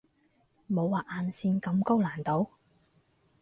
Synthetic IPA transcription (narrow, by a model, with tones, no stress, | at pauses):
mo˨˧wːaː˨ʔaː˨˧nsiː˧nkɐ˧mko˥wlaː˨˩nt̪o˨˥w